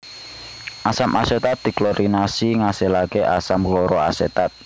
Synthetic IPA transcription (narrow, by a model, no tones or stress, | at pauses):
ʔasamʔa̰set̪at̪̚d̪̥i̤klɔɾinasiŋaselakeʔasamkɔɾɔaset̪at̪̚